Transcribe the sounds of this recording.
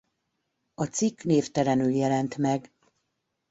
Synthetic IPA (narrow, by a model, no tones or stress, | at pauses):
ɒt̪sikːneːft̪ɛɾɛnyljɛlɛnt̪mɛɡ